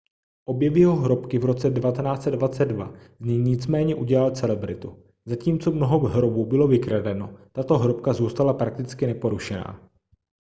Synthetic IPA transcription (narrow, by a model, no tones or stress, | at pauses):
ʔo̞bjɛvjɛɦo̞ɦɾo̞pkɪvɾo̞t͡sɛdɛvat̪ɛnaːt͡sɛddvat͡sɛdva̰zɲɛjɲɪt͡smɛːɲɛʔuɟɛlalt͡sɛlɛbɾɪt̪u | zaciːmt͡so̞mno̞ɦo̞ɦɾobubɪlo̞vɪkɾadɛno̞t̪at̪o̞ɦɾo̞pkazuːst̪alapɾak̚t̪ɪt͡skɪnɛpo̞ɾuʃɛna̰ː